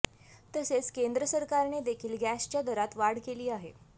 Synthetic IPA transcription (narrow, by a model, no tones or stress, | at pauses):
t̪əset͡skend̪ɾəsəɾkaɾned̪ekʰiːlɡæst͡ɕjad̪əɾat̪ʋaɽ̤keliːaɦḛ